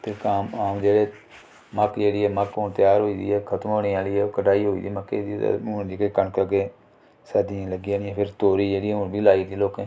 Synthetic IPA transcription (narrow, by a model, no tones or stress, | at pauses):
t̪eːkaːmaːmd͡ʒeːɽeː | məkd͡ʒeːɽiːɛːməkont̪jaːɾɦoːiːd̪ḭːɛːkʰət̪əmɦoːneːaːliːɛːkəʈaːiːɦoːḭːd̪iːməkḛd̪it̪ːʊnd͡ʒeːɾeːkəɳkəɡeː | səːd̪iãːləɡiãːnɪãːpʰɪɾt̪oːɾiːd͡ʒeːɽiːɛːʊnbʱiːlaːiːd̪iːloːkɛ̃ː